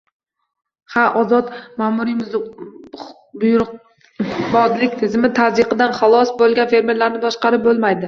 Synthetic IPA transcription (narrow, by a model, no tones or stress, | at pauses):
haʔɒzɒt̪mamuɾimʊ | bʊjɾʊq̚ | bɒd̪lɪkʲt̪ʰɪzmɪt̪ʰazɪqɨd̪anχɑlˠɒsbolˠɡʲanfe̞ɾme̞ɾlaɾnɪb̪ɒʃqɑɾɪp̚bolˠmajd̪ɪ